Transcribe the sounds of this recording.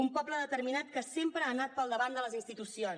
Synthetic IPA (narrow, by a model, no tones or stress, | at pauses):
umpɔbləðət̪əɾminat̪̚kəsempɾəaːnat̪̚pəlˠd̪əβand̪ələzinst̪it̪usion